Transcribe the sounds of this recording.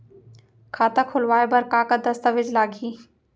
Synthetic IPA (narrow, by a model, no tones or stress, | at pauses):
kʰaːt̪akʰʊlʋaːebɐɾkakad̪ɐst̪əʋɪd͡ʒlaːɡiː